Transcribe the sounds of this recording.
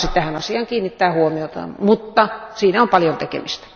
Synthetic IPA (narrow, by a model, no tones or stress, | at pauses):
sit̪t̪æhænɑsiɑːŋkiːnːit̪ːæːhuomiot̪ɑ̰mut̪ːɑsiːnæompɑljont̪ekḛmist̪æ̥